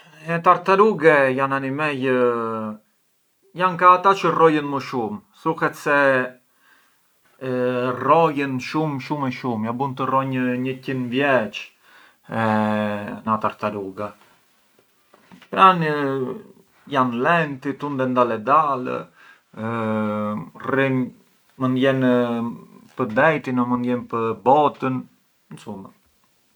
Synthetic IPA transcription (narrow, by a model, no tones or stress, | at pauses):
ɛt̪aɾt̪aɾuɡɛjananimɛjə | jaŋkaːt̪at͡ʃərɔjənməʃumsuxɛt̪sɛ | rɔjənʃumʃumɛʃumjabunt̪ərɔɲəɲəcinvjɛt͡ʃ | ɛ | nat̪aɾt̪aɾuɡa | pɾan | janlɛnt̪it̪und̪ɛnd̪alɛd̪al̰ | rin | mənd̪jɛn | pəd̪ɛjt̪inɔmənd̪jɛnpəbɔt̪ən | nsumə